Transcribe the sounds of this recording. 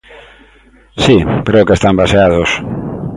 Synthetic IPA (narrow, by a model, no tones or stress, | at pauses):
sikɾeokest̪ambaseaðos